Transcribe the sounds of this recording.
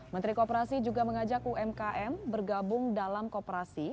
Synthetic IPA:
mənt̪ɾikopəɾasid͡ʒuɡaməŋad͡ʒak̚uɛmkaʔɛmbərɡabʊŋdalamkopəɾasi

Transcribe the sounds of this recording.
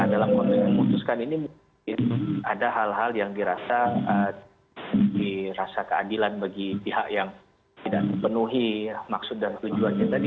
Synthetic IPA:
adalamkɔnt̪ɛkməmut̪ʊskaninimuŋ | kɪnadaɦalɦaljaŋdiɾasaə | diɾasakəadilanbaɡipiɦaʔjaŋ | t̪idaʔdipənuɦimaksʊt̪̚dant̪ud͡ʒuanɲat̪adi

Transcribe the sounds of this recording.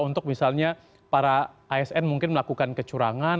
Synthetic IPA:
unt̪ʊk̚misalɲa | paɾaʔaɛsɛnmuŋkɪnməlakukankət͡ʃuɾaŋan

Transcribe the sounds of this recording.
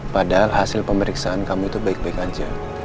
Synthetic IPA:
padaɦalɦasɪlpəməɾiksaʔankamuit̪ubaɪk̚baɪkaɲd͡ʒa̰

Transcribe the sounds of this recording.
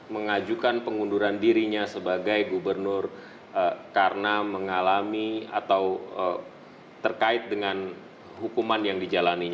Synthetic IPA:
məŋad͡ʒukanpəŋunduɾandiɾiɲasəbaɡajɡubərnʊr | əkaɾənaməŋalamia̰t̪awə | t̪ərkaɪt̪̚dəŋan | ɦukumanjaŋdid͡ʒalaniɲa

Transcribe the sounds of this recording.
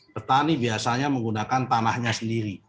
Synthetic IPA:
pərt̪anibiasaɲaməŋɡunakant̪anahɲasəndiɾi

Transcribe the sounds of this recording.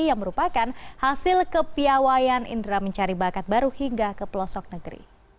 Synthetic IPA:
jaŋməɾupakanhasɪlkəpiawajanḭndɾaməɲt͡ʃaɾibakat̪̚baɾuhiŋɡakəpəlɔsɔk̚nəɡɾḭ

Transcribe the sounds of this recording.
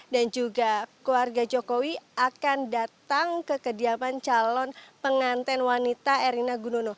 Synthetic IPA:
dand͡ʒuɡakluarɡad͡ʒokowiakandat̪aŋkəkədiamant͡ʃalɔnpəŋant̪ɛnwanit̪aeɾinaɡunono

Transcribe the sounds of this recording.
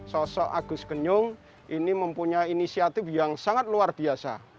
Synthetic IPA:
sɔsɔʔaɡ̥ʊ̤skəɲʊŋ | ʔiniməmpuɲainisiat̪ifjaŋsaŋat̪̚luarb̥i̤asa̰

